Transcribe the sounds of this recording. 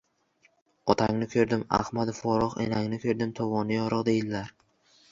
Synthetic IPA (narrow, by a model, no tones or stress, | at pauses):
ɒt̪ʰaŋnɪkʲʰɵɾd̪ɪma̰hmad̪fɒɾɒqḛnaŋnɪkʲʰɵɾd̪ɪmt̪ʰɒvɒnɪjɒɾɨqd̪ejɪllaɾ